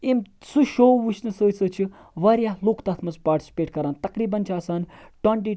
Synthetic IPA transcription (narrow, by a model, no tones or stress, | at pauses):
emsuʃoːʋuʃʰnɨsəːt͡səːt͡ʃʰi | ʋɐɾjaːɦloːkt̪aːt̪ʰmɐzpaːɾʈi̥sʲi̥peːʈkɐɾaːnt̪ɐkɾiːbɐnt͡ʃʰaːsaːnʈɐɳʈ̬iː